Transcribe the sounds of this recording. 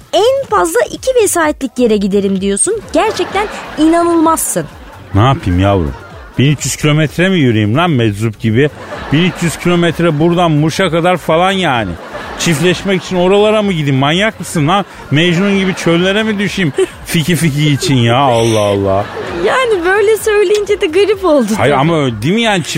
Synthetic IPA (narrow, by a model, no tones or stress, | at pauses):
ænfazlˠaʔicʰivesaːɛt̪lʲicje̞ɾɛɟid̪e̞ɾimd̪ijo̞sunɟæɾt͡ʃʰɛc̚t̪ʰæninanɯlˠmasːɯn | naːpʰimjavɾṵm | b̥inyt͡ʃjyz̥cʰilʲo̞mɛt̪ʰɾɛmijyɾijimlæmmɛd͡ʒzup̚ɟibi | b̥inyt͡ʃjyz̥cʰilʲo̞mɛt̪ɾɛbuɾd̪anmuʃakad̪aɾfalˠanjaːnɪ̰t͡ʃʰiflʲɛʃmɛci̥t͡ʃʰino̞ɾalˠaɾamuɟid̪immanjakmɯsɯnːa | mejʒununɟibit͡ʃʰø̞llʲːeɾɛmid̪yʃim | ficʰific̬ʰiːt͡ʃʰinjaalˠːaalˠːa̰jaːnibø̞jlʲɛsø̞jlʲejind͡ʒɛd̪ɛɡaɾipo̞lˠd̪uhajamaøld̪imjaːnit͡ʃʰ